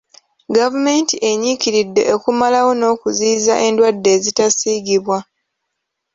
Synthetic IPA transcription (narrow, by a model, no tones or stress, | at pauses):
ɡavume̞ntiʔe̞ɲikiɾidːe̞̰ʔokumalawo̞no̞ːkuziːza̰ʔe̞ndwadːe̞ːzitasiːɡiβwa